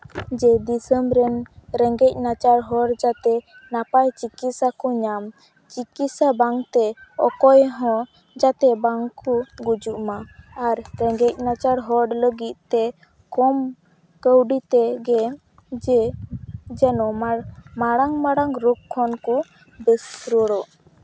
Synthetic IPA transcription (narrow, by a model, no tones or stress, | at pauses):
d͡ʒɛd̪isəmbɾɛnɾɛŋɡɛc̚ˀnat͡ʃaɾɦɔɽd͡ʒat̪ɛ | napajt͡ʃikit̪sakuɲam | t͡ʃikit̪sabaŋt̪ɛɔ̰kɔjɦɔ̃ | d͡ʒat̪ɛbaŋkuɡud͡ʒuʔmaaɾɾɛŋɡɛc̚nat͡ʃaɾɦɔɽləɡit̪̚t̪ɛ | kɔm | kəwɖit̪ɛɡɛ | d͡ʒɛ | d͡ʒɛnɔmamaɽaŋmaɽaŋɾukʰːɔnku | bɛsɾɔɽɔ